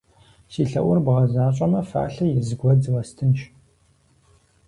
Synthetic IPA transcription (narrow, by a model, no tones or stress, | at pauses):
siːɬɐ̰ʔʷʊrbʁɐzaːɕʼɐmɐfa̰ːɬɐjɪzɨɡʷɔd͡zwɐstʰɨnʃ